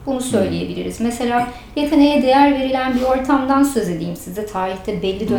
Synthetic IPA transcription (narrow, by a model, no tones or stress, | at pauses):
bunusø̞jlʲeje̞bilʲḭɾizmese̞lʲaː | jakʰɯnejɛd̪ejæɾve̞ɾilʲænbio̞ɾt̪ʰamd̪ansø̞ze̞d̪iːmsizɛt̪ʰaːɾiçt̪ʰɛbɛlʲːid̪ø